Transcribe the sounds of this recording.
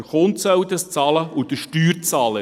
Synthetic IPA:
χont̪sœwd̪əst͡sɑːləud̥̪əʃtyːɾt͡sɑːlə

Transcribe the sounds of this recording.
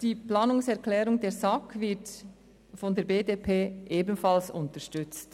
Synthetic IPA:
d̥iːplaːnʊŋsɛʁklɛːɾʊŋdeːɾzakʰvɪt | fɔndeːɐɾbeːdepʰeːʔeːbn̩falsʊntəʃtʏt͡st

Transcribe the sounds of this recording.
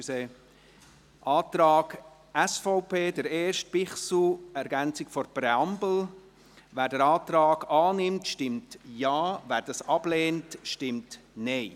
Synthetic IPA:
yse | ʔɑːtɾɑːɡ̥ | ɛsfɔʊpeːdəɾeːʃt̚pɪχsl̩ɛɾɡɛnt͡sɪkfɔɾpɾɛɑmbl̩ | væːɾdəɾɑːt̪ɾɑːɡ̥ɑːnɪmtʃtɪmtjɑːvæːɾd̥ɑsɑb̥leːntʃtɪmt | neɪ

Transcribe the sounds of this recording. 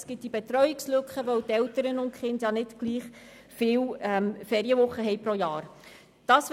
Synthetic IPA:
sɡ̥ɪt̚d̥ibet̪ɾœʏɪkslɵkχəʋœwtɛwtəɾənʊnkχɪndjɑnɪtɡ̥liːχ | fɪːwɛmfɛːɾiəvʊχːəɦɛjpɾɔjɑːɾ | d̥ɑːsʋ

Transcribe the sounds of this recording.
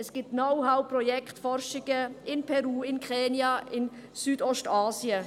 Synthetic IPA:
ɛsɡ̥ɪːp̚tnoʊhaʊprɔjɛktfɔɾʃɪɡ̥əʔɪnpʰɛɾuːɪnkʁɛːnjɑɪn | syːdɔstaːsjə

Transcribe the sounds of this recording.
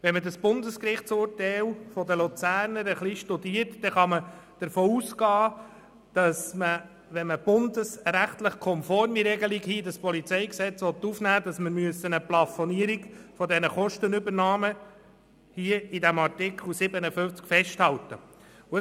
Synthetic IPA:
ʋɛnmədɑsb̥ʊnd̪əskɾɪχt͡sʊːrtɛlfɔdəlut͡sæːɾnəɾəχliʃtudiːətd̥ɛχɑməd̥əɾfoːuːsɡɑː | d̥ɑsmə | ʋɛnməb̥ʊnd̪əsɾæχt̪ləχkʰɔmfɔɾmiɾɛɡəliɡhiːdɑspɔlit͡sɛɪksɛt͡sʋɔt̪ːufnæːd̥̪ɑsməɾmyəsːənəplɑfɔniəɾiɡfɔd̪ɛnəχɔʃtənʏbəɾnɑːmə | hiəidæmɑrtɪkχl̩sɪbənəfʏft͡skfɛʃthɑlt̪ə | ʊə

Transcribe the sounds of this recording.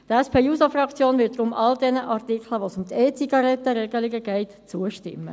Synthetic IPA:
tɛspʰeːjuːsɑfrɑkt͡sjoːnvɪt̚d̥ʁʊmʔɑldɛnəʔɑʁtikʰləʋosʊmt̪eːt͡siɡ̥ɑɾɛt̪ːəɾɛɡəliɡəɡɛɪtt͡suəʃtɪ̰mːə̰

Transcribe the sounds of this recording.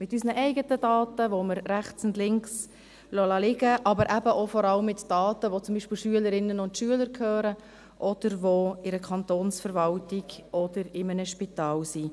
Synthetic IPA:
mɪtysnəʔɛɪɡətədɑːtəʋoməɾːæχt͡sʊndlɪŋks | lolɑlɪɡəʔɑbəɾʔæbəʔofɔɾɑləmːɪtd̥ɑːtəʋot͡sʊmbiːʃpɪlʃyələɾɪnːənʊntʃyələɾkʰøːɾə | ʔɔd̥əɾʋoɪɾəkʰɑntoːnsfəɾvɑltɪɡɔd̥əɾɪmənəʃpitɑːlsi

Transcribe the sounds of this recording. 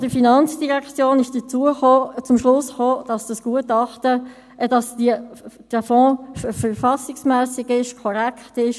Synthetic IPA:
d̥əfinɑnt͡sd̥iʁɛkt͡sjoːnɪʃd̥ət͡suəχoːt͡sʊmʃlʊsχoːd̥ɑsd̥ɑsɡ̥uətɑχtə | d̥ɑsdiəd̥əfɔ̃ːfəɾfɑsɪksmɛːsɪɡɪʃkʰɔɾɛkχtɪʃ

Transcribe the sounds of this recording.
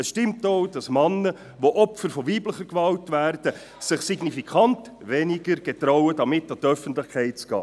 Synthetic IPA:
əsʃtɪmtoʊd̥ɑsmɑnːə | ʋoʔɔpfəɾfɔʋiːbləχəɾkʋɑltvæːrd̥ə | sɪχsiɡnifikʰɑnt | ʋɛniɡ̥əɾɡ̥ɛt̪ɾɔʊədɑmɪtːɑtœfəntlɪχkʰɛɪtt͡sɡ̥ɑ̰ː

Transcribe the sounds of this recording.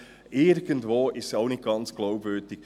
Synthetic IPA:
ʔɪɾɡ̥əntʋoːʔɪstsaʊnɪt̚ɡ̥ɑnt͡sɡ̥lawpvøːd̥ɪk̚

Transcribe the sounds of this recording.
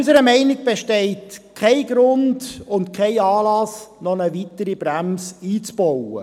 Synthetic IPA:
ysəɾəmɛɪnɪɡ̚b̥eʃtɛɪtkʰɛɪɡɾʊndʊntkʰɛɪɑːlɑsnɔnəvitəɾibɾæmsiːt͡sb̥ɔwə̰

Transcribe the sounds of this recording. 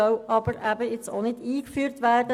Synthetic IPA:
œwɑbəɾæbəɪt͡so̰nɪdiːkfyːɾtʋæːrdə

